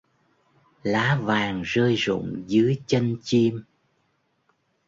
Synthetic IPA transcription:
laː˨˦vaː˨˩ŋzəː˧jzʊ̰˧˨ŋ͡mzɨ˨˦əjt͡ɕə˧nt͡ɕi˧m

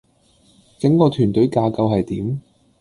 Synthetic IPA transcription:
kɪ˨˥ŋkɔː˧t̪ʰyː˨˩nt̪ɵ˨˥ɥkaː˧kɐ˧wɦɐ˨jt̪iː˨˥m

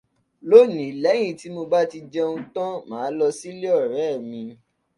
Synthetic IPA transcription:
lo˦nĩ˨˦˨lɛ˨˦j̃ĩ˦˨ti˨˦mo˧ba˦ti˧d͡ʒɛ˦ũ˧˦tã˦mãː˨˦lɔ˧si˦le˦ɔ˦˨ɾɛ˨˦˨mĩ˧

